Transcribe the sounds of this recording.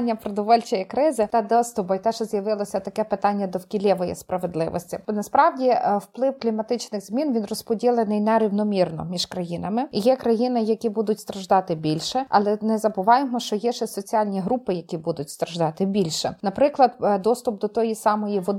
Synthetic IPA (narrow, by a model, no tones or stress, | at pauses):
nʲːɐpɾɔd̪ɔʋɔlʲt͡ʃɔjɐkɾɪzɪt̪ɐd̪ɔst̪ʊbɐjt̪ɛʒɛzjɐʋɪlˠɔsʲɐt̪ɐkɛpɪt̪ɑnʲːɐd̪ɔwkʲilʲɛʋɔjḭspɾɐʋed̪lˠɪ̰ʋɔ̰sʲtʲinɐspɾɑwdʲiwplˠɪwklʲimɐt̪ɪt͡ʃnɪɣzmʲinʋʲinrɔspɔdʲilˠenɪjnɛɾiwnɔmʲirnɔ̰mʲiʒkɾɐjinɐmɪjɛkɾɐjinɪjɐkʲibud̪ʊtʲst̪ɾɐʒd̪ɑt̪ɪbʲilʲʃɛɐ̰lˠɛnɛzɐbʊʋɑjemɔʃt͡ʃɔjɛʃɛsɔt͡sʲiɑlʲnʲiɦɾupɪjɐkʲibud̪ʊtʲst̪ɾɐʒd̪ɑt̪ɪbʲilʲʃɛ̰nɐpɾɪklˠɐd̪d̪ɔst̪ʊp̚d̪ɔt̪ɔjisɑmɔjiʋɔd̪